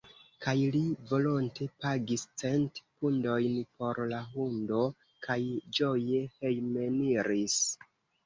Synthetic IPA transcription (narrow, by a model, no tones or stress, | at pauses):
kajlivo̞lonte̞paɡist͡se̞ntpundo̞jnpo̞ɾlaɦundo̞ | kʰajd͡ʒo̞je̞hejme̞niɾis